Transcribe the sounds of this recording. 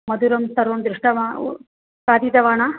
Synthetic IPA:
mɐd̪uɾɐnt̪ɐɾond̪ɾiʂʈɐʋa | saːd̪iːt̪ɐʋaːɳa

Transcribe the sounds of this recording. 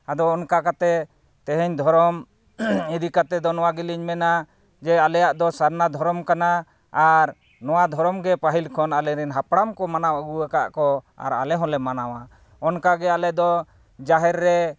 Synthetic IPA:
ad̪ɔːnkakat̪ɛ | t̪ɛɦɛɲd̪ʱɔɾɔm | id̪ikat̪ɛd̪ɔnɔwaɡiliɲmɛna | d͡ʒɛalɛjaʔd̪ɔsaɾnad̪ʱɔɾɔmkana | aɾ | nɔwad̪ʱɔɾɔmɡɛpaɦilkʰɔnalɛɾɛnɦapɽamkɔmanawɡuakaʔkɔ | a̰ɾa̰lɛɦɔ̃lɛmanawa | ɔnkaɡɛalɛd̪ɔ | d͡ʒaɦɛɾːɛ

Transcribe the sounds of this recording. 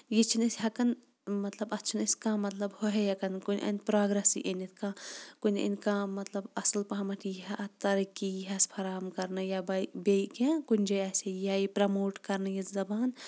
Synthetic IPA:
jit͡ʃʰinɐsʲɦɐkɐn | mɐt̪lɐbɐt͡ʃʰinɐskãːmɐt̪lɐbhoɦejɐkɐnkunʲʔɐ̰nʲpɾaːɡɾɐsḭʔɐnit̪̚ʰkãkunʲɐ̰nʲkãːmɐt̪lɐbɐsɐlpɐɦɐmɐʈʰjiɦɐʔɐt̪ɐɾikijiɦɐspʰɐɾaːmkɐɾnɐjabɐbejkẽkunʲd͡ʒɐɐsʲejajipɾɐmoːʈkɐɾnɐjɐzɐbaːn

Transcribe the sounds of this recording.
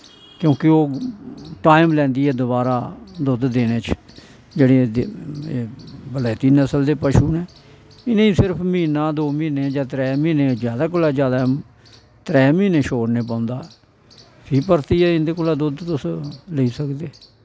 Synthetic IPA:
kjõːkɪoː | ʈaːɪmlɛ̃ːnd̪iːɛːd̪ʊβaːɾaːd̪ʊd̪d̪eːneːt͡ʃ | d͡ʒeːɽeːeːbəlaːt̪inəsəld̪eːpəʃuːnɛ̃ː | ɪnẽːĩsɪɾpʰmĩːnãːd̪oːmiːneːd͡ʒãːt̪ɾɛːmiːneːzjaːd̪aːk̬ʊlaːd͡ʒjaːd̪aː | t̪ɾɛːmĩːneːʃoːɾneːpãːʊ̃nd̪aː | pʰiːpəɾt̪iːɛːɪnd̪eːkʊːlaːd̪ʊd̪t̪ʊsləiːsəkd̪eː

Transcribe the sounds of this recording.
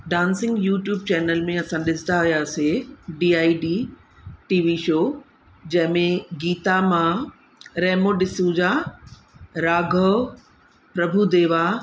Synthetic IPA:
ɖãːnsɪ̃ŋɡjuːʈjuːb̚t͡ɕɛːnəlmẽɐsãɗɪsd̪aɐjaːseɖiːaːiɖiː | ʈiːʋiʃoː | d͡ʑɐ̃ɦɪ̃mẽɡiːt̪amã | ɾɛːmoɗɪsũd͡ʑaː | ɾaːɡʱə | pɾɐbʱud̪eːʋa

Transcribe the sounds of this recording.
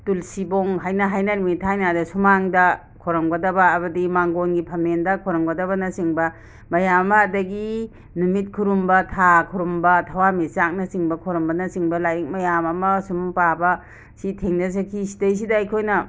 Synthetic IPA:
tulsiboŋɦajnɐɦajnɐnumitʰajnadɐsumaŋdɐ | kʰɔɾɐmɡɐdɐbɐːbɐdimaŋɡonɡipʰɐmendɐkʰɔɾɐmɡɐdɐβɐnɐsiŋbɐ | mɐjamɐmɐːdɐɡi | numit̚kʰuɾumbɐtʰakʰuɾumbɐtʰɐwamisak̚nɐsiŋbɐkʰoɾɔmbɐnɐsiŋbɐlajik̚mɐjamɐmɐsumpabɐ | sitʰeŋnɐz̬ɐkʰisi̥tɐjs̬idaːjkʰojnɐ

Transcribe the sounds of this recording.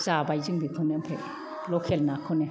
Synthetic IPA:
zabajzɯŋbikʰɔnempʰḛ | lɔkʰelnakʰɔne

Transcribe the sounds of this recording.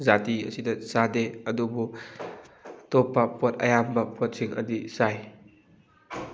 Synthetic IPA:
zatiɐ̰sidɐsadeɐdubu | topːɐpʰɔtɐ̰jambɐpʰɔt̚siŋɐ̰disaj

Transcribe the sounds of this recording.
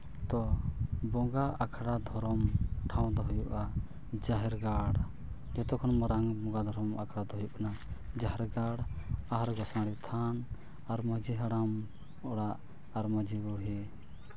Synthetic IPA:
t̪ɔbɔ̃ɡaakʰɽad̪ʱɔɾɔmʈʰaw̃d̪ɔɦujuʔa | d͡ʒaɦɛɾɡaɽ | d͡ʒɔt̪ɔkʰɔnmɔɾaŋbɔŋɡad̪ʱɔɾɔmakʰɽad̪ɔɦujuʔknad͡ʒaɦɛɾɡaɽaɦɾɡɔsãɽit̪ʰan | aɾmɔd͡ʒiɦaɽam | ɔɽaʔ | aɾmɔd͡ʒiɡuɽɦɛ

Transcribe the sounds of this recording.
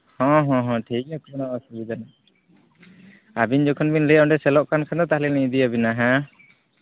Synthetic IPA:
hɔ̃ɦɔ̃ɦɔ̃ʈʰiakɔnaasubid̪ana | abiɲd͡ʒɔkʰɔnbinlɛɔ̃ɖɛsɛlɔʔkankʰad̪ɔt̪ahlilid̪iabinaɦã

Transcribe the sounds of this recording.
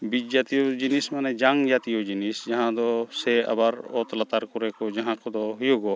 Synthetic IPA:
bit͡ʃ̚d͡ʒaːt̪ijod͡ʒinismanɛd͡ʒaŋd͡ʒat̪ijod͡ʒinisd͡ʒɐɦãd̪ɔsɛɐ̰baɾɔt̪lat̪aɾkɔɾɛkɔd͡ʒɐɦãkɔd̪ɔɦujoɡɔ

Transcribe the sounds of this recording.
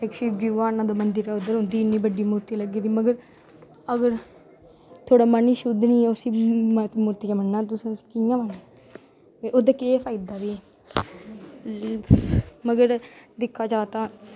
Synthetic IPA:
ekʃid͡ʒiːʋaːnaːd̪oːmənd̪əɾɛːʊd̪əɾɦõːnd̪iːɪnːiːbəɖːiːmuːɾt̪iːləɡiːd̪iːməɡəɾ | əɡəɾ | t̪ʰoːɽaːmaniːʃʊd̪nĩːɛːʊsĩːmmuːɾt̪iːkaməɳːaːt̪ʊskɪjãːmənaː | eʔod̪akeːpʰaːɪd̪aːʋiː | məɡəɾd̪ɪkʰːaːd͡ʒaːt̪ãː

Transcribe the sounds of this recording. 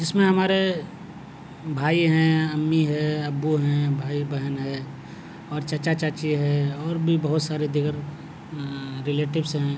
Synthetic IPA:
d͡ʒɪsmẽɦɐmaːɾe | bʱaːiɦɛ̃ɐmːiɦɛɐbːuɦɛ̃bʱaːibəɦənɦɛ | ɔːɾt͡ʃɐt͡ʃat͡ʃaːt͡ʃiɦɛɔːɾbʱibɐɦʊt̪saːɾed̪ɪɡəɾ | ɾɪleːʈɪbsɦɛ̃ː

